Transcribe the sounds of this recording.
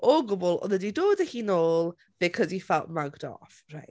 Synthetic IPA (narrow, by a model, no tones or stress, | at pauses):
ɔɡʊbɔlˠɔ̰nədidoːdəhinoːlˠ | b̥ɪkʰɔzifalˠʔmaɡdɔ̰frajt